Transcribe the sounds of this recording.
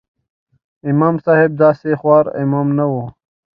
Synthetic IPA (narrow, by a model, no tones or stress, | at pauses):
imaːmsaːhib̚d̪aːsexwaːɾḭmaːmnɐwo